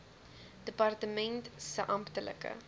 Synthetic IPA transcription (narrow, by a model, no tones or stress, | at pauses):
d̥əpɐrtəmɛntsəʔɐmptələ̰kə̰